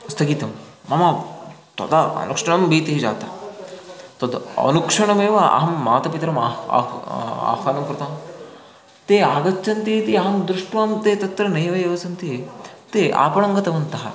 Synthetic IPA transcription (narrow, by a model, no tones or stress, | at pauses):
st̪ʰɐɡiːt̪ɐmːɐmɐt̪ɐ̰t̪ɐɐ̰nukʂɐɳɐmbiːt̪iɦid͡ʒa̰ːt̪ɐ̰ | t̪ɐd̪ɐ̰nukʂɐɳɐmeːʋɐɐ̰ɦɐmːaːt̪ɐpit̪ɾɐma̰ːa̰ːkʰaːnɐmkɾɐt̪aːm | t̪eːaːɡɐt͡ʃːt͡ʃɐnt̪it̪iɐɦɐmd̪ɾuʂʈʋaːmt̪eːt̪ɐt̪ɾɐnɐjʋɐeːʋɐsɐnt̪it̪eʔa̰ːpɐɳɐŋɡɐt̪ɐʋɐnt̪ɐɦɐ̰